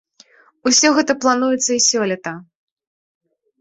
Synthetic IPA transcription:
usʲɔɣɛt̪ɐplˠanujɛt̪sːɐisʲɔlʲɐt̪ɐ

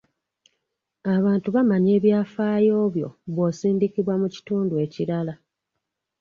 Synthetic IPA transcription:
aβaːntuβamaɲe̞ːβjaːfaːjo̞ːβjo̞̰βwo̞ːsiːndikiβwamuci̥tuːndue̞ːciɾala

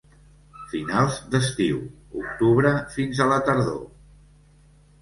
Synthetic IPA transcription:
finalˠzd̪əst̪iw | ṵk̚t̪uβɾəfinzələt̪əɾðo̰

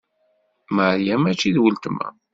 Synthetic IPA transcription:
məɾjæmæt͡ʃːiðwəlt̪əmæ̰

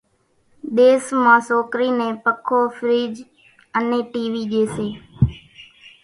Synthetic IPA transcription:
ɗ̪eːsmãːsoːkɾiːnẽːpəkʰoːfʰɾiːd͡ʒ | əneːʈiːʋiːd͡ʒeːseː

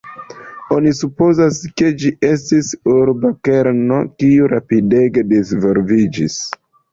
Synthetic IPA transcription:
o̞nisupo̞zaske̞d͡ʒiʔe̞s̬tisuɾbake̞ɾno̞kiuɾapide̞ɡe̞dizvoɾvid͡ʒis

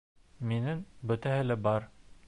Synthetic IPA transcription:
minɘŋbɵ̆t̪æhɘlæbɑɾ

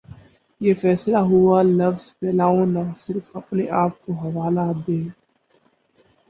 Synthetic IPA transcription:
jeːfɛːslaɦʊalɐfz̥pɛːlaːõnasɪɾfɐpneʔaːp̚koɦɐʋaːlaːd̪eː

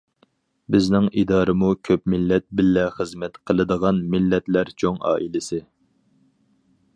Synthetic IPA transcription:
bɪznɪŋid̪ɑːɾɨmukʲʰøpmɪlːɛt̪̚bɪlːɛχəzmɛt̪qʰəlˠɨd̪əʁɑnmɪlːɛt̪læɾt͡ʃʰoŋɑ̰ːʔilɪsɪ

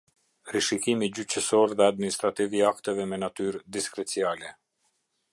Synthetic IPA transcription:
riʃikimid͡ʑyt͡ɕəsɔɾðɛad̪̚minist̪ɾat̪iviakt̪ɛvɛmɛnat̪yɾd̪iskɾɛt͡sialɛ

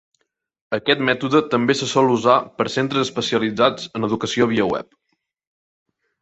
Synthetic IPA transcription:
əkɛt̪mɛt̪uðət̪əmbesəsɔlˠuzapəɾsent̪ɾəzəspəsiəlid͡zad͡zənəðukəsioβ̞iəwɛ̰p̚

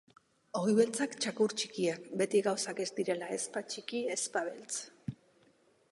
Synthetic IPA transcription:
oɣjβe̞lt͡sakt͡ʃakuɾt͡ʃikiakbe̞t̪iɣawsake̞zd̪iɾe̞laespat͡ʃikie̞spaβe̞lt͡s

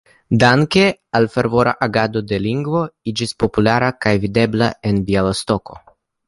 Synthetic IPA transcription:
d̪aŋke̞alfe̞ɾvo̞ɾa̰ʔaɡad̪o̞d̪e̞liŋɡvo̞id͡ʒispo̞pulaɾakajvid̪e̞bla̰e̞nbialost̪o̞ko̞̰

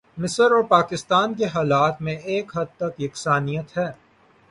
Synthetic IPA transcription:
mɪsəɾɔːɾpaːkɪst̪aːnk̬eɦaːlaːt̪mẽeːkɦɐd̪̚t̪ɐkjɪksaːnijət̪ɦɛː

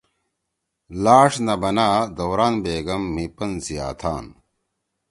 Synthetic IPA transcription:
laːʂnɐbɐnaːd̪ɐwɾaːnbeːɡɐmːipɐnsija̰ːt̪ʰaːn

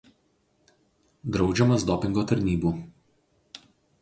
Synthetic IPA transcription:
d̪ɾɒʊd͡ʒʲɛmɐsd̪ɔpʲɪŋɡoːt̪ɐɾʲnʲiːbuː

